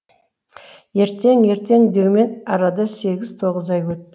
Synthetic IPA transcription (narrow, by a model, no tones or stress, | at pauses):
je̞ɾt̪e̞ŋje̞ɾt̪e̞ŋd̪ewme̞nɑɾɑd̪əse̞ɡʲɪz̥t̪ʰo̞ʁəzɑjwɵt̪ːɪ